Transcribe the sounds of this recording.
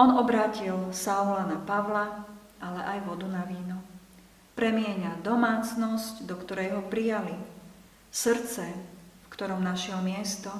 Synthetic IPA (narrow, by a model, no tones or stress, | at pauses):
ɔnɔbɾaːcilsaɔlanapaʋla | ʔalɛʔajʋɔd̪unaʋiːnɔ | pɾɛmɪɛɲad̪ɔmaːt͡snɔscd̪ɔkt̪ɔɾɛjɦɔpɾijali | sr̩t͡sɛfkt̪ɔɾɔmnaʃɪɛlmɪɛst̪ɔ